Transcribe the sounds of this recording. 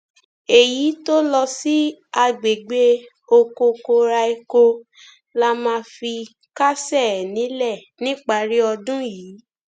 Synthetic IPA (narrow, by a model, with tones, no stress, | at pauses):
e˨ji˨˦to˦lɔ˧si˦a˧ɡ͡be˨ɡ͡be˦ | o˧ko˧ko˧ɾa˧i˧ko˧ | la˦mãː˦˧fi˧ | ka˦sɛ˦˨nĩ˨˦lɛ˦˨nĩ˦k͡pa˧ɾi˦ɔ˧dũ˦jiː˨˦